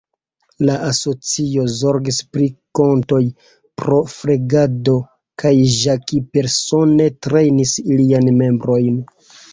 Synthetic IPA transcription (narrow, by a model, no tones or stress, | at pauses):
laʔaso̞t͡sio̞zo̞ɾɡispɾiko̞nto̞j | pɾo̞fɾeɡado̞ | kajʒakipe̞ɾso̞ne̞tɾe̞jnisilianme̞mbɾo̞jn